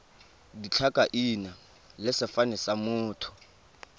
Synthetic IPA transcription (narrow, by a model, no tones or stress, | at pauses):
dit͡ɬʰakʼaʔina | lɪsɪfanɛsamʊːtʰʊ̥